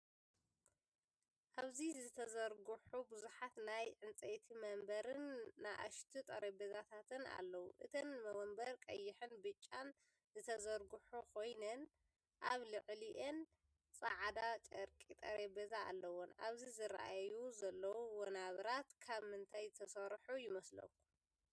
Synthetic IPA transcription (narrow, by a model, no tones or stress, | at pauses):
ʔaβzizɨt̪ʰɐzɐɾɡuħubɨzuħat̪najʕɨnt͡sʼet̪ʰimɐmbɐɾɨnːaʔa̰ʃt̪ʰit̪ʼɐɾebezat̪ʰat̪ʰɨna̰lːɐwuʔɨt̪ʰɐnmɐwɐmbɐɾkʼɐ̰jːɪħɨnbɨt͡ʃʼːan | zɨt̪ʰɐzɐɾɡuħukʰo̞jnɐn | ʔaβlɨʕliʔen | sʼɐʕad̪at͡ʃʼɐɾkʼit̪ʼɐɾebezaa̰lːɐwɔna̰βzizɨɾɐ̰ʔajuzɐlːɐwuwɔnaβɾat̪kʰaβmɨnt̪ʰajt̪ʰɐsɐɾħujɪmɐslɐ̰wu